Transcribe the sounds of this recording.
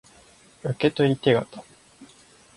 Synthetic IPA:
ɯ̟ke̞t̪o̞ɾʲit̪e̞ɡa̰t̪a

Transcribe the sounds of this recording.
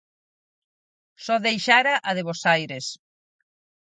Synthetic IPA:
sɔðejʃaɾaʔɐðeβosajɾes

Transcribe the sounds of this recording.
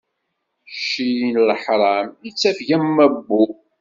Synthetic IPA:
ʃijnlħɾˤɑmit͡sːæfʝæmːæbːu

